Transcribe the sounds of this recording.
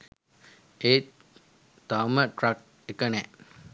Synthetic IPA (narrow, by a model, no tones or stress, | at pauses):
e | t̪aməʈrak̚ | ekənɛ